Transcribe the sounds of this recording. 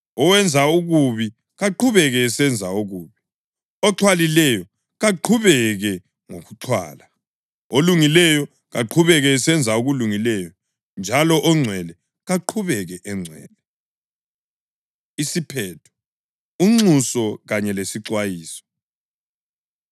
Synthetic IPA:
ɔwɛnd͡zʱauɣuβi | ɣaǃʰuβɛɣɛːsɛnd͡zʱaoɣuːβi | ɔǁʰwalilɛjɔ | ɣaǃʰuβɛɣɛ | ŋo̰ɣuǁʰwa̰ːla | oluŋilɛjɔ | ɣaǃʰuβɛɣɛːsɛnd͡zʱaoɣuluŋilɛjɔ | nd͡ʒʱalɔʔɔŋ͡ǀʱwɛlɛ | ɣaǃʰuβɛɣɛʔɛŋ͡ǀʱwɛ̰ːlɛ | isipʰɛːtʰɔ̥ | uŋ͡ǀusɔɣaɲɛlesiǀwajiːsɔ̥

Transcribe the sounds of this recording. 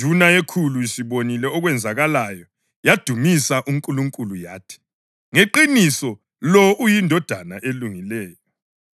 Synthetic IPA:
unaekʰuluisiβonilɛɔɣwɛnd͡zʱaɣalajɔ | jad̥ʱumisaʔuŋkʼuluŋkʼulujaːtʰi̥ | ŋeǃinisɔ | lɔʔujindʱɔd̥ʱanaʔeluŋilɛːjɔ

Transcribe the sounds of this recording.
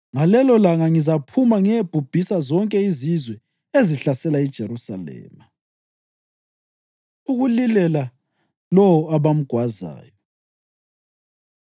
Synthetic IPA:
ŋalɛlɔlaŋaŋizapʰumaŋɛeb̥ʱub̥ʱisazɔŋkʼɛizizwɛ | eziɬasɛlaɛd̥ʒ̥ʱeɾusa̰lɛ̰ːma | uɣulilɛla | lɔwɔaβam̩ɡ̥ʱwaza̰ːjɔ

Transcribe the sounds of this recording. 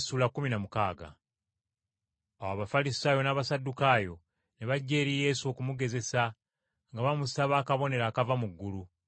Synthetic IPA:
suːlakuminamukaːɡa̰ | awaːβafalisaːjo̞naːβasadːukaːjo̞ | neβaɟːe̞ːɾije̞ːso̞ːkumuɡe̞ze̞sa | ŋɡaβamusaβaːkaβo̞ne̞ɾaːkavamuɡːulu

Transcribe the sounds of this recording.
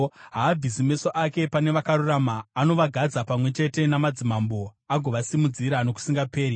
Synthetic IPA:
ɦaːbʱizimiso̞ʔake̞pane̞ʋakaɾuramaːno̞ʋaɡʱad͡zapamwe̞t͡ʃe̞te̞namad͡zimambo̞aɡʱo̞ʋasimud͡ziɾano̞ku̥siŋɡape̞ːɾi

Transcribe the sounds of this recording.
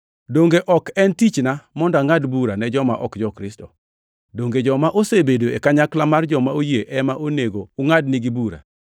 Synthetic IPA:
doŋɡeʔɔkɛntit͡ʃnamɔndaŋadbuɾanɛd͡ʒɔmaʔɔkd͡ʒɔkɾɪstɔ̰ | doŋɡed͡ʒɔmaʔosebedoekaɲaklamard͡ʒɔmaojeʔɛmaʔoneɡoːŋad̚nɪɡibuɾa̰

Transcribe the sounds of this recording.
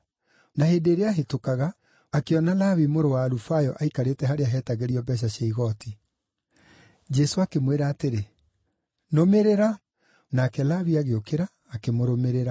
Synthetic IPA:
naheːndeːɾeaɦetokaɣaː | keɔnalaβimoɾowaːɾufajɔʔaikaɾetɛɦaɾeaɦɛtaɣeɾiɔbɛɕ̬aɕaiɣɔti | d͡ʒɛsoakemweɾaːteɾe | nomeɾeɾa | naːkɛlaβiaɣeokeɾaːkemoɾomeɾeɾa

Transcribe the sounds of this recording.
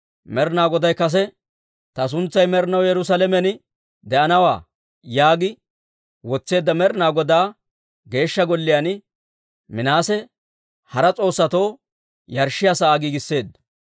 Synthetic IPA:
mɛɾnaːɡɔd̪ɐjkɐs̬ɛ | t̪ɐs̬ʊnt͡sːɐjmɛɾnɐwjɛɾʊs̬alɛmɛn | d̪ɛʔɐnɐwaː | jaːɡɪ | wɔt͡sːe̞ːd̪ːɐmɛɾnaːɡɔd̪aː | ɡe̞ːʃːɐɡɔlːɪjan | mɪnaːsɛ | hɐɾɐt͡sʼo̞ːsːɐt̪oː | jɐɾʃːɪjasɐaːɡiːɡɪsːe̞ːd̪

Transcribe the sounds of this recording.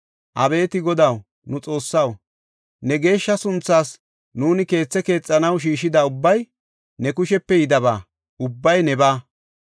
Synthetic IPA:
ʔɐbe̞ːt̪ɪɡɔd̪ɐw | nʊt͡sʼo̞ːsːɐw | nɛɡe̞ːʃːɐsʊnt͡sːaːs | nuːnɪke̞ːt͡sːɛke̞ːt͡sʼːɐnɐwʃ̬iːʃɪd̪aːʊbːɐj | nɛkʊʃɛpːɛjɪd̪ɐbaː | ʊbːɐjnɛbaː

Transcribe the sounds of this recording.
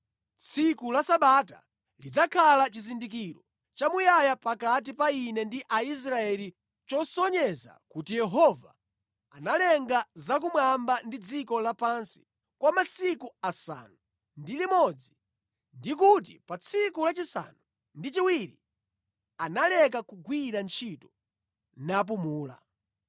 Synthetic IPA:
t͡sʰikulasaɓata̰ | lid͡zakʰalat͡ʃizindik̬iɾɔ | t͡ʃamujajapakat̬ipainɛndiʔais̬ɾaɛli | t͡ʃɔsɔɲɛza̰kutijɛɦɔva | analɛŋɡazak̬umwambandid͡zikɔlapansi̥ | kwamasikuasa̰ːnu | ndilimɔd͡zi | ndik̬ut̬ipat͡sʰikulat͡ʃisa̰nu | ndit͡ʃiwiɾḭ | analɛk̬akuɡwiɾant͡ʃʰitɔ | nap̬umuːla̰

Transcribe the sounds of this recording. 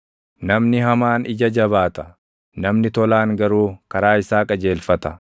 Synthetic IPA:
nɐmnɪɦɐmaːnɪd͡ʒɐd͡ʒɐβaːt̪ɐ̥ | nɐmnɪt̪ɔlaːŋɡɐɾuːkɐɾaːɪsaːkʼɐd͡ʒe̞ːlfɐt̪ɐ

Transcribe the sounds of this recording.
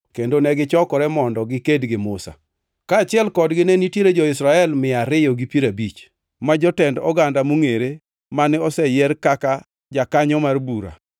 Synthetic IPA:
kendonɛɡɪt͡ʃɔkɔɾɛmɔndɔɡɪkedɡɪmʊsa̰ | kaːt͡ʃɪɛlkɔdɡɪnenitjeɾed͡ʒɔɪsɾaɛlmɪaɾɪjɔɡipiɾabit͡ʃ | mad͡ʒɔtɛndɔ̰ɡandamuŋeɾe | manɪɔsɛjɛrkaka | d͡ʒakaɲɔmarbuɾa̰

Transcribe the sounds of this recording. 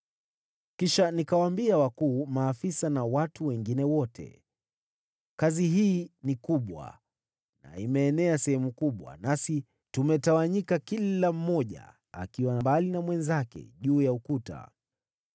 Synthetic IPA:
kiʃanikawambiawakuːmaːfisanawatuwɛŋɡinɛwɔtʰɛ̰ | kaziɦiːnikuɓwa̰ | na̰imɛːnɛasɛhɛmukuɓwa̰nasi | tumɛtawaɲikakilam̩mɔʄa̰ | a̰kiwanambalinamwɛnzakɛ̰ʄuːjaukuta̰

